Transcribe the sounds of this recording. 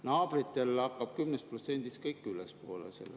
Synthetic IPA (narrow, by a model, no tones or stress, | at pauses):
nɑːb̥rit̪ːe̞lɑkːˑɑb̥̚kymnest̪̚prot̪se̞nd̪̥ist̪kɤjkːˑylespoːlḛsḛlːe